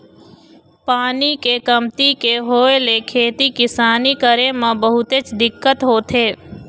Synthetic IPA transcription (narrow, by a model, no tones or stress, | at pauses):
paːnikekəmt̪ikeɦoːelekʰeːt̪ikɪsaːnikəɾemãbəɦʊt̪et͡ʃd̪ɪkːət̪ɦoːt̪ʰeː